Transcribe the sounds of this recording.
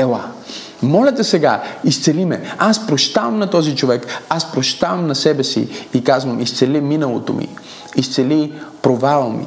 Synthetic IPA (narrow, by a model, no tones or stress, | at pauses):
ɛlˠa | mɔlʲɛt̪ɛsɛɡa̰ist̪sɛlimɛaspɾoʃt̪avɐmnɐt̪ɔzit͡ʃovɛkaspɾoʃt̪avɐmnɐsɛbɛsḭikazvɐmist̪sɛliminɐlˠot̪omḭ | ist̪sɛlipɾovalˠəmḭ